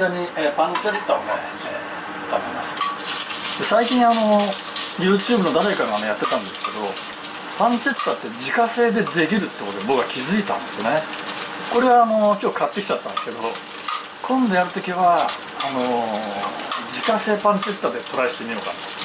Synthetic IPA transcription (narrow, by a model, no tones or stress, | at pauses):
d̪aɲ̟iepãɲt͡ɕaɾet̪ːao̰nḛ | t̪amemasɨ̥ | d̪̥e̞saikʲĩɰ̃ano̞ | jɯ̟ːt͡ɕɨːbɯno̞d̪aɾekaŋano̞jat̪ːe̞t̪ãnd̪esɨ̥ke̞d̪o̞ | pãnt͡ɕe̞t̪ːat̪ːe̞d͡ʑikase̞ːd̪e̞de̞ɡʲiɾɯ̟t̪ːekot̪ebo̞kːɡakʲizɨit̪ã̰nd̪esɨijo̞ne | ko̞ɾe̞βaːno̞kʲo̞ːkat̪ːe̞kʲi̥t͡ɕat̪ːãnd̪esɨke̞d̪o̞ | kʰõ̞nd̪o̞jaɾɯ̟t̪o̞kʲiβaː | no̞ | d͡ʑikase̞ːpãnt͡ɕe̞t̪ːad̪e̞t̪o̞ɾaeɕi̥t̪e̞mʲio̞ka̰t̪o